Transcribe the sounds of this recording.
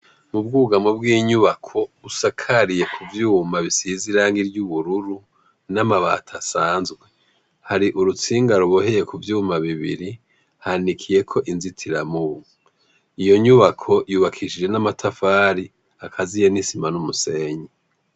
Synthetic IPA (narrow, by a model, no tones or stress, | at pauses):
mub̚ɡuɡamobɡiːɲuβakʰo̞βusakʰaɾije̞kʰuvjumaβisiziɾaːŋɡiɾɟuβuɾuɾu | namaβa̰tʰasaːnzɡwe̞ | haɾiʔuɾut͡siːŋɡaɾoβohe̞je̞kuvjumaβiβḭɾi | hanikʰije̞kʰo̞ʔinzitʰiɾamuβuu | ijo̞ɲuβakʰo̞juːβakʰiʃid͡ʒe̞namatʰafaːɾi | akʰazijenisimanumuse̞ɲi